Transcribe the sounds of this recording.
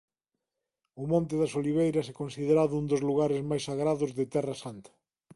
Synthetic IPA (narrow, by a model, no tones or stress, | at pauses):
ʊmõnt̪̬ɪðɐsoliβejɾɐsɛkonsiðeɾaðʊund̪ozluɣ̞aɾezmajsaɣɾaðʊzðet̪ɛrɐsant̪ɐ̥